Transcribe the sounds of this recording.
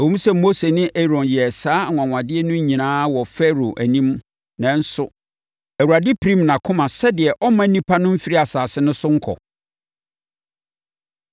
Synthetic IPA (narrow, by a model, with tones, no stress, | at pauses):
æ˨wũ˦m˦sɛ˦mːo˦se˨nɪ̃˦ʔɛ˦ɾɔ̃˨njɛ˨saː˦˨ŋʷ˨ã˨ŋʷ˨ã˨dɪ˦ɛ˦nʊ̃˦ɲĩ˨nãː˦wɔ˨fɛ˦ɾo˨ʔæ˨nĩ˦m | nã˨n̩˦sʊ˦ | æ˨wu˨a˨dɪ˦pʰɾĩ˦mnã˨kʰʊ̃˦mã˨sɛ˦dɪ˨ɛ˨ʔɔ˦mã˦nĩ˦pʰa˦nʊ̃˦m̩˦fi˦ɾi˦a˨saː˨sɪ˦nʊ̃˦sʊ˦ŋ̩˦kʰɔ̰˨